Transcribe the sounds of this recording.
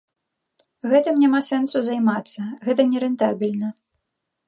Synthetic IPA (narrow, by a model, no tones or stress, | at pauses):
ɣɛt̪ɨmnʲamasɛnsuzajmat̪sːɐɣɛt̪̬ɐnʲɛɾɛnt̪abʲilʲnɐ